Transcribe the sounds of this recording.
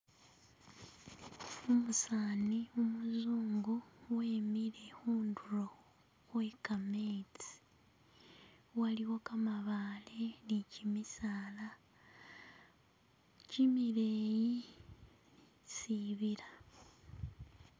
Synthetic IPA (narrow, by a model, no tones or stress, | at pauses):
omusaːniumuzuːŋɡuweːmiɾe̞huːnduɾo | we̞kameːt͡si̥ | waliwokamaβaːle̞nicimisaːla | cimiɾeːji | siβiɾa